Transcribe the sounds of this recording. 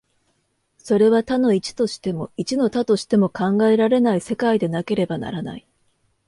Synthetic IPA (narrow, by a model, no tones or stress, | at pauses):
so̞ɾe̞β̞at̪ano̞it͡ɕi̥t̪o̞ɕi̥t̪e̞mo̞it͡ɕino̞t̪at̪o̞ɕi̥t̪e̞mo̞kãŋɡae̞ɾaɾe̞naise̞kaid̪e̞nake̞ɾe̞bana̰ɾana̰i